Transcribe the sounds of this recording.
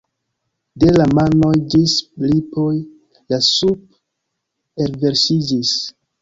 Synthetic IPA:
de̞lamanojd͡ʒislipoj | lasup̚ | eɾve̞ɾsid͡ʒis

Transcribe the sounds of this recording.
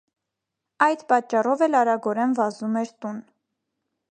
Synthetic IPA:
ɑjd̪pɑt͡ʃːɑrɔvɛlɑɾɑɡɔɾɛnvɑzumɛɾt̪un

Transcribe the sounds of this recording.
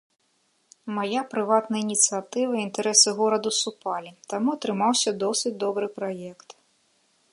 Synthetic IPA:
majapɾɨvat̪nɐinʲit̪sɨjat̪ɨvɐiint̪ɛɾɛsɨɣɔɾɐd̪usupalʲit̪amuɐt̪ɾɨmawsʲɐd̪ɔsɨt͡sʲd̪ɔbɾɨpɾajɛkt̪

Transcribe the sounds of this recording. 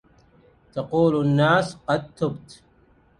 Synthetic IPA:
t̪aquːlanːaːsqɑd̪̚t̪ːʊbt̪

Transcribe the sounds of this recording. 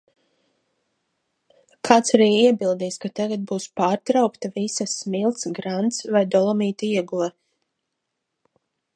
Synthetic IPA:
kʰaːt̪saɾiːiɛbilˠd̪iːskat̪aɡat̪̚buːspaːɾt̪ɾawkt̪avisasmilˠt̪sɡɾant̪svajd̪ɔlˠɔmiːt̪iɛɡulɛ

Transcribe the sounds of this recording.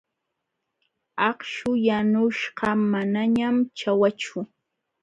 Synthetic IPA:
ɑχʃʊjanʊʃɢɑmanaɲamt͡ʃawat͡ʃʊ

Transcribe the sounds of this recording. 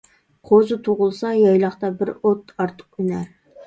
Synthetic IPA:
qʰozɨt̪ʰoʁʊlˠsɑjɑjlˠɑχt̪ɑbɪɾot̪ɑɾt̪ʰə̥q̚ynæɾ

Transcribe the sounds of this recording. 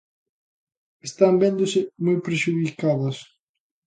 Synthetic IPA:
est̪ambẽnd̪ʊsɪmojpɾeʃuðikaðɐs

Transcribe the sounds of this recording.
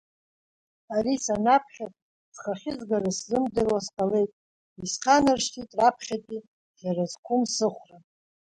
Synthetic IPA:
arisanapʰχʲatʼ | z̥χaχʲɪzɡaraszɨmdɨrwasqʼale̞jtʼ | isqʰanarʂtʰitʼrapʰχʲatʼi | zarazkʷʰʊmsɨχʷra

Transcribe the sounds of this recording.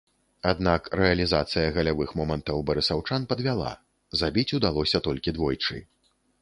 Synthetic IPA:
ad̪nakrɛɐlʲizat̪sɨjɐɣɐlʲavɨxmɔmɐnt̪ɐwbɐɾɨsawt͡ʂanpɐd̪vʲalˠa̰ | zabʲit͡sʲud̪alˠɔsʲɐt̪ɔlʲkʲid̪vɔjt͡ʂɨ̰

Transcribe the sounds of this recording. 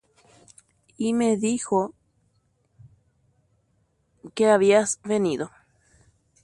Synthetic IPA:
imeðixo | keaβiasβeniðo

